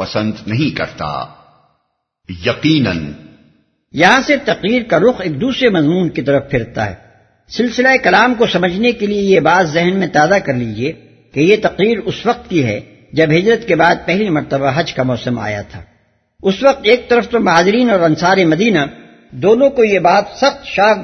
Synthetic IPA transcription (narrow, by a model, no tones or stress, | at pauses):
pɐsə̃nd̪nɐɦĩkɐ̰ɾt̪a̰ː | jɐqiːnə̰̃n | jɐɦãsɪɾft̪ɐqɾiːɾkaɾʊxeːk̚d̪uːsɾemɐzmuːnkit̪ɐɾəfpʰɪɾt̪a̰ɦɛ̰ː | sɪlsɪlaekɐlaːmkosɐməd͡ʒʱnekeliejebaːzːɛɦnmẽt̪aːd̪akɐɾlid͡ʒie | kejet̪ɐqɾiːɾʊsʋɐq̚t̪̚kiɦɛ̰ | d͡ʒɐbɦɪd͡ʒɾət̪kebaːd̪̚pɛɦlimɐɾt̪əbaɦɐd͡ʒkamɔːsəma̰ːja̰t̪ʰa̰ː | ʊsʋɐq̚t̪eːk̚t̪ɐɾəft̪omɐɦaːzɪɾiːnɔːɾɐnsaːɾemɐd̪iːna | d̪oːnõkojebaːt̪sɐxt̪ʃaː